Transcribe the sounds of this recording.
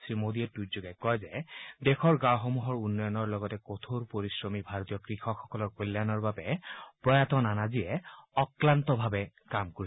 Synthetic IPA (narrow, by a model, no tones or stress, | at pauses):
sɹimodiɛtutzoɡɛkɔjzɛdexʰɔɹɡãwɦomuɦɔɹunːɔjɔnɔɹlɔɡɔtɛkot̪ʰoɹpoɹisɹɔmibʱaɹotijɔkɹixʰɔxɔkɔlɔɹkolːanɔɹbabɛpɹɔjatɔnanaziɛɔklantɔbʱabɛ | kamkoɹi